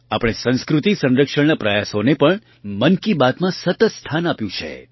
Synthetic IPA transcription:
apəɽ̃esə̃nskɾut̪isə̃nɾəkʂəɳnapɾəjasonepəɳ | mənkibat̪mãsət̪ət̪st̪ʰanapjũt͡ʃʰḛ

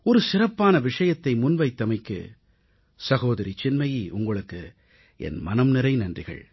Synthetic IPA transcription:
ɔɾɯsɪrɐpːaːnɐʋɪʂɐjɐt̪ːɐɪmʊnʋɐɪt̪ːɐmɐɪkːɯ̰ | sɐɣoːðɐɾit͡ʃɪnmɐjiʔʊŋɡɐɭɯkːɯ | ɛ̰nmɐnɐmnɪɾɐɪnɐndrɪɣɐ̰ɭ

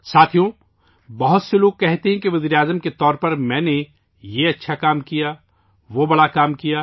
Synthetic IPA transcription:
saːt̪ʰijõ | bɐɦʊt̪seloːɡ̚kɛɦt̪eɦɛ̃keʋɐziːɾeaːzəmket̪ɔːɾpɐɾmɛ̃ːne | jeɐtːʃʰakaːmkijaː | ʋobɐɽakaːmkijaː

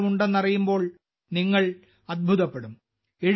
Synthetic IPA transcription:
muɳɖenːɐrijumbo̞ːɭ | niŋːɐɭ | ɐd̪̚bʱuðɐpːe̞ɽum | eɻ

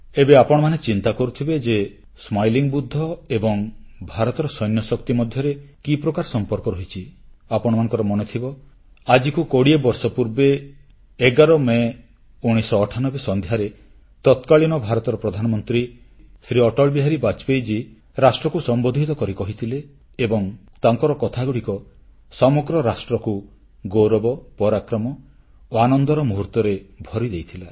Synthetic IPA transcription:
ebeapɔɽ̃ɔmanet͡ʃint̪akɔɾut̪ʰibed͡ʒe | smajliŋbud̪ʱːɔebɔŋbʱaɾɔt̪ɔɾɔsɔjnjɔsɔkt̪imɔd̪ʱjɔɾekipɾɔkaɾsɔmpɔɾkɔɾɔɦit͡ʃʰiapɔɽ̃ɔmanɔ̃ŋkɔɾɔmɔnet̪ʰibɔ | ad͡ʒikukoɽiebɔɾsɔpuɾbeː | ɡaɾɔme | uɽ̃isɔːʈʰanɔbesɔnd̪ʱjaɾe | t̪ɔt̪kaɭinɔbʱaɾɔt̪ɔɾɔpɾɔd̪ʱanɔmɔnt̪ɾi | sɾiɔʈɔɭbiɦaɾibat͡ʃpejd͡ʒi | ɾasʈɾɔkusɔmbod̪ʱit̪ɔkɔɾikɔɦit̪ʰileː | bɔŋt̪aŋkɔɾɔkɔt̪ʰaɡuɽikɔ | sɔmɔɡɾɔɾasʈɾɔku | ɡoɾɔbɔpɔɾakɾɔmɔ | oanɔnd̪ɔɾɔmuɦuɾt̪ɔɾebʱɔɾid̪ejt̪ʰila

